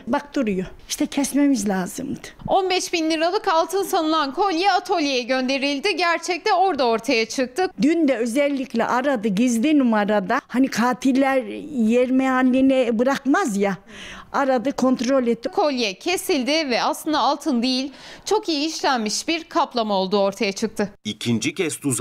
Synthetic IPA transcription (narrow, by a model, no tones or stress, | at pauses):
bak̚d̪uɾujoiʃt̪ʰɛcʰɛsme̞mizlʲaːzɯ̰md̪ɯo̞nbɛʃbinlʲiɾalˠɯkalˠt̪ʰɯnsanɯlˠankʰo̞lʲjɛat̪ʰo̞lʲjejɛɟø̞nd̪e̞ɾilʲd̪ɪɟæɾt͡ʃʰɛc̚t̪ɛo̞ɾd̪ao̞ɾt̪ʰajat͡ʃʰɯk̚t̪ʰɯd̪ynd̪ɛøzɛlʲːiclʲɛ̰ʔaɾad̪ɯɟizd̪inumaɾad̪ahanikʰaːt̪ʰilʲːæɾjɛɾmɛalʲːinɛbɯɾakmazja | aɾad̪ɯkʰo̞nt̪ɾo̞lʲɛt̪ːkʰo̞lʲjɛcʰe̞silʲd̪ɪvɛaslˠɯnd̪aːlˠt̪ʰɯnd̪ejilʲt͡ʃʰo̞kijiːʃlʲænmiʃbiɾkʰaplˠamao̞lˠd̪uo̞ɾt̪ʰajat͡ʃʰɯk̚t̪ʰɯicʰind͡ʒicʰɛst̪uz